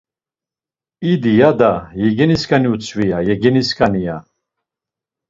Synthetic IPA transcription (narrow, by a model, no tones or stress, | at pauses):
id̪ijad̪ajɛɡɛniskʰʼaniut͡sʰʼvijajɛɡɛniskʰʼanija